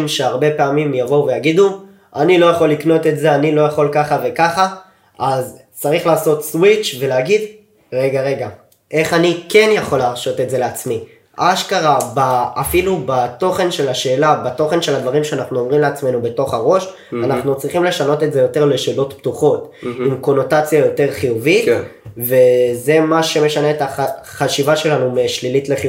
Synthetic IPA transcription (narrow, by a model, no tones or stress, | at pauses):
mʃe̞aʁbe̞peamimjaʁove̞jaɡid̪u | ʔanilo̞jaχo̞lːikno̞t̪e̞tze̞anilo̞jaχo̞lkaχave̞kaχa | az | t͡saʁiχlaːso̞t̪swit͡ʃve̞leaɡid̪ | ʁe̞ɡaʁe̞ɡa | ʔe̞χanikenjaχo̞laːʁʃo̞t̪etze̞leat͡smi | ʔaʃkaʁabaːfilubato̞χe̞nʃe̞laʃe̞ːlabato̞χe̞nʃe̞lad̪vaʁimʃeanaχnuomʁimleat͡sme̞nube̞to̞χaʁo̞ʃ | anaχnut͡sʁiχimle̞ʃano̞tetze̞jo̞te̞ʁle̞ʃe̞ːlo̞tptuχo̞timko̞no̞tat͡sjajo̞te̞ʁχijuvit̪ve̞zemaʃe̞me̞ʃane̞ːtaaχaʃivaʃe̞lanumeʃlilitle̞χi